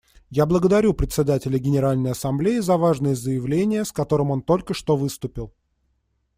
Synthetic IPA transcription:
jablˠəɡəd̪ɐɾʲupɾʲɪt̪ʲsʲɪd̪atʲɪlʲəɡʲɪnʲɪɾalʲnəjɐsɐmblʲeɪzɐvaʐnɨjəzəjɪvlʲenʲɪjəskɐt̪o̞ɾɨmo̞nt̪o̞lʲkəʂt̪o̞vɨst̪ʊpʲɪlˠ

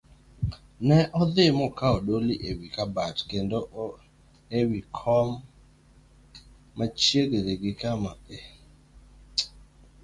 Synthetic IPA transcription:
nɛʔɔd̪ɪmɔkaɔɗoliʔewikabatkendoʔ | ewikʰɔm | at͡ʃjeɡeɾeɡɪkamae

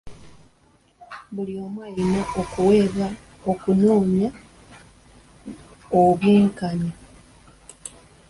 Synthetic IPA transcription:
βulio̞mwainoʔokuwe̞ːβa | okunoːɲja | oβiːŋkaɲa

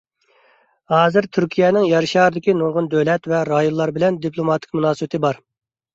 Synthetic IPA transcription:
hɑːzɪɾt̪ʰyɾkʲʰijɛnɪŋjɑɾʃɑːɾɨd̪ɪkʲinuŋʁʊnd̪øwlɛt̪vɛɾɑjonlˠːɑɾbɪlɛnd̪ipʰlˠomɑt̪ʰɪ̥kʲmunɑːsəbɪt̪ʰɪbɑɾ

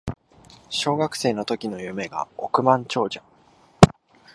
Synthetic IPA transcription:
ɕo̞ːɡakɯ̟̥se̞ːno̞t̪o̞kʲino̞jɯ̟me̞ɡa̰okɯ̟mãɲ̟t͡ɕo̞ːd͡ʑa

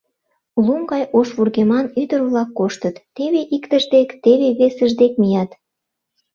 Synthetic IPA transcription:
luŋɡɑjʔoʃβurɣemɑnyd̪ərβlɑkːoʃt̪ət̪ːeβeʔikt̪əʒd̪ekt̪eβeβesəʒd̪ek̚mijɑt̪

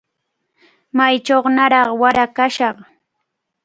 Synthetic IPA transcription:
majt͡ʃoχnaɾɑχwaɾakaʃɑχ

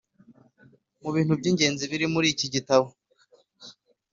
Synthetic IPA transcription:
muβiːnhubɟiːɲɟe̞ːnziβiɾimuɾiːciɟitaβo

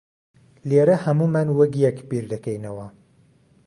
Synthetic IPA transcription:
leɾɐhɐmumanwɐɡjɛkbiɾd̪ɐkɛjnɐwɐ

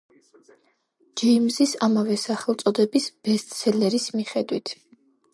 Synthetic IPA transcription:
d͡ʒɛmzisamavɛsaχɛlˠt̪sʼɔd̪ɛbisb̥ɛst̪ʼsʰɛlɛɾismiχɛd̪wit̪ʰ

